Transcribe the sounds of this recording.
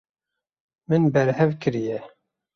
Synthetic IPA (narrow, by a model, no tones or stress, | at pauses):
mɨnbɛɾhɛvkʰɨɾijɛ